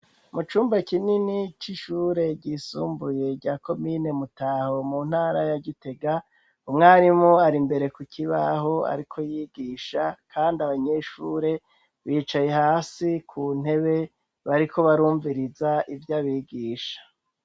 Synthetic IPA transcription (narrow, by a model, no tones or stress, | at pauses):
mut͡ʃuːmbakininit͡ʃiʃuːɾe̞ɟiːsṵːmbuje̞ɾɟaːko̞mine̞mutaho̞mun̥haːɾajaɟite̞ɡa | umŋaːɾimoaɾimbe̞ɾe̞kukʰiβaɦo̞a̰ɾikʰo̞jiːɡiːʃakʰaːndiaβaɲe̞ʃuɾe̞ | βiːt͡ʃaje̞haːsikʰuːn̥he̞βe̞ | βaɾikʰo̞βaɾuːɱviɾizaʔivjaβiːɡiːʃḁ